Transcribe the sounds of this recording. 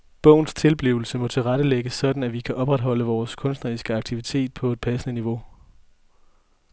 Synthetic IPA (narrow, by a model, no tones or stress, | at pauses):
b̥ɔ̽ʊ̰n̩st͡sʰe̝lb̥liʊl̩səmɒ̽t͡sʰe̝lʁad̥əleɡ̥əsːɒ̽d̥n̩æʋikʰæʔɒ̽b̥ʁad̥ɦɒ̽l̰əʋɒːskʰɔ̽nsd̥nɐʁisɡ̥əɑ̈ɡ̥̚t͡sʰiʋit͡sʰe̝̰ːd̥̚pʰɒ̽e̝d̥̚pʰæsənəniʋo̝